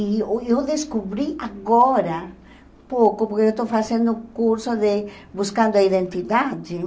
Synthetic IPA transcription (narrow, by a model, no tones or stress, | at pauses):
iewðeskuβɾiaɣoɾa | pokopoɾkeewst̪owfasẽnd̪okuɾsoðebuskãnd̪oaiðẽnt̪iðad͡ʒe